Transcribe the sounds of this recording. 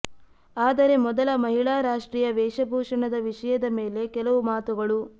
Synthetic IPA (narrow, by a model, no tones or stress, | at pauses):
aːd̪ɐɾe̞mɔd̪ɐlɐmɐɦiɭaːɾaːʂʈɾiːjɐʋɛːʂɐbʱuːʂɐɳɐd̪ɐʋiʂɐjɐd̪ɐme̞ːle̞kɛlɐʋumaːt̪uɡɐɭu